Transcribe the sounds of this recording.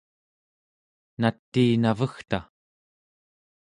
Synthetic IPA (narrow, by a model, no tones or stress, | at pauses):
nat̪ːiːnavəxt̪a